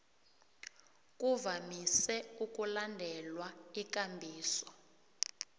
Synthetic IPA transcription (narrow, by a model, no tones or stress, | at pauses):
k̬ʼuvamisɛuk̬ʼulandʱɛlwaikambʱiːsɔ̥